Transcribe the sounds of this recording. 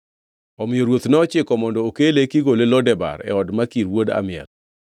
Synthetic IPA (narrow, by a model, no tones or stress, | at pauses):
ɔmɪjoɾwot̪nɔɔt͡ʃɪkɔmɔndɔokelekiɡolelɔdɛba̰ɾɛ̰ɔdmakiɾwoda̰mɪɛ̰l